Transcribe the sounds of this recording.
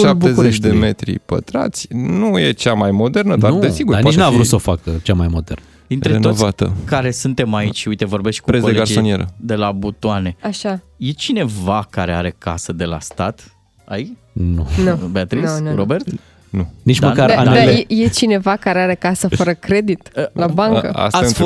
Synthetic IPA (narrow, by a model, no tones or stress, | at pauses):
ʃap̚b̪ezuɾet͡ʃd̪eme̞t̪ɾḭpə̰t̪ɾa̰t̪sʲnuje̞t͡ʃamajmo̞d̪e̞rnəd̪aɾd̪esiɡuɾanianeavɾut̪sofakət͡ʃamajmo̞d̪ernəd̪int̪ɾeeoovat̪ə̰kaɾe̞sunt̪e̞mait͡ʃʲujt̪e̞vo̞rbe̞ʃt̪̚ʲkuɾesodeliɡaɾionieɾə̰d̪e̞labut̪oane̞aʃa | je̞t͡ʃine̞vakaɾe̞aɾe̞kasəd̪e̞la̰st̪at̪ | ai | nunube̞at̪ɾisɾobe̞rt̪ | nunit͡ʃd̪məkaɾaaeejet͡ʃine̞vakaɾeaɾe̞kasəfəɾəkɾe̞d̪it̪əlabaŋkə̰a̰sa